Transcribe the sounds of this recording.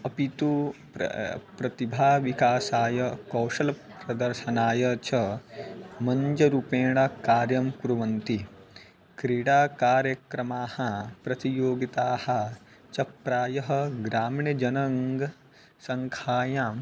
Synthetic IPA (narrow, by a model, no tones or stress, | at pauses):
ɐpit̪uppɾɐt̪ibʱaːʋikaːsaːjɐkɐwʃɐlɐpɾɐd̪ɐɾʃɐnaːjɐt͡ʃʰɐ | mɐɲd͡ʒɐɾupeːɳɐkaːɾjɐmkuɾuʋɐnt̪i | kɾiːɽaːkaːɾjɐkɾɐmaːhɐpɾɐt̪ijoːɡit̪aːhɐ̆ | t͡ʃɐpɾaːjɐɦɐ̆ɡɾaːmɳjɐd͡ʒɐnɐŋɡɐ | sɐŋkʰaːjaːm